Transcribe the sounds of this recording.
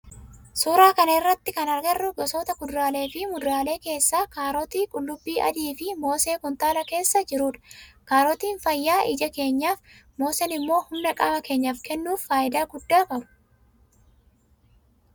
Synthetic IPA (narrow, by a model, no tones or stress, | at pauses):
suːɾaːkɐnɐɪrːɐt̪ːɪkɐnɐɾɡɐrːʊɡɔsoːt̪ɐkʊd̪ɾaːle̞ːfɪmʊd̪ɾaːle̞ːke̞ːsːaːkaːɾɔt̪iːkʼʊlːʊbːiːʔɐ̰d̪iːfɪmo̞ːseːkʊnt̪aːlɐke̞ːsːɐd͡ʒɪɾuːᶑɐ̥kaːɾɔt̪iːnfɐjːaːʔɪ̰d͡ʒɐke̞ːɲːaːfmo̞ːsɛnɪmːo̞ːhʊmnɐkʼɐmɐke̞ːɲːaːfkɛnːuːfːaːʔɪd̪aːɡʊd̪ːaːkʼɐbʊ̥